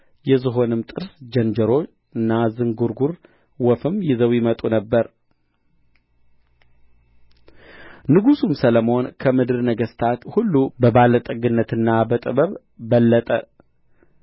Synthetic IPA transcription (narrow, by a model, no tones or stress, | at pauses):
jɛzɨɦo̞nɨmt̪ʼɨɾsd͡ʒɛnd͡ʒəɾo̞ | ɨnːazɨŋɡuɾɡuɾ | wɔfɨmjɪzəwjɪmət̪ʼunəbːəɾ | nɨɡusumsələmo̞nkʰəmɨd̪ɨɾnəɡəst̪ʰat̪hulːubəbalət̪ʼɨɡɨnːət̪ɨnːabət̪ʼɨβəβː | əlːət̪ʼə